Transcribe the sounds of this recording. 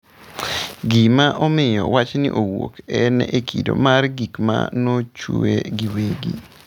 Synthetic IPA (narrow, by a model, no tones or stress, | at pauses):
ɡimaʔɔmɪjɔwat͡ʃnɪ̰ʔowokɛnɛekʰido̰marɡikma̰not͡ʃueɡiweɡi